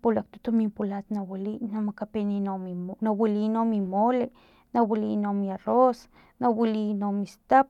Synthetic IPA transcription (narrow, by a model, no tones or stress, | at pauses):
polak̚t̪o̥t̪omimpolat̪nawilinamakapeninominawilinomimole | nawilinomiaros | nawilinomist̪ap